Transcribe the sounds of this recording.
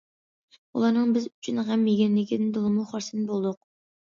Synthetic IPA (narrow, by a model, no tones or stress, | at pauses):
ulˠɑɾnɨŋbɪzyt͡ʃʰynʁɛmjeɡʲɛnlɪkʲid̪ɪnd̪olˠɨmˠuχɑɾsɨnɨbolˠd̪ʊq̚